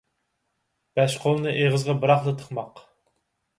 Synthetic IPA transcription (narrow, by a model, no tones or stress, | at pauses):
b̥ɛʃqʰolˠnɨʔeʁəzʁɑbɨɾɑχlˠɨt̪ʰə̥χmɑq